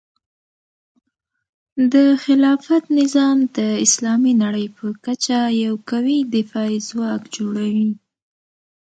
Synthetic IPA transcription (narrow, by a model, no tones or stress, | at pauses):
d̪əxɪlɑfat̪nɪzɑmd̪əɪslɑminaɽəjpəkat͡ʃajawkawid̪ɪfɑizwɑkd͡ʒoɽawi